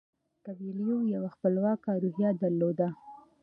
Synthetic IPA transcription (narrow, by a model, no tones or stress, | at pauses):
kabiljojawaxpəlwɑkaɾoɦjɑd̪aɾlod̪a